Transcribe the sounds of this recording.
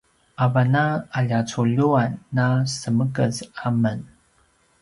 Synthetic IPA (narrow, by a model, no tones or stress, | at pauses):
avanaaʎat͡suʎuanːasəməkəzamən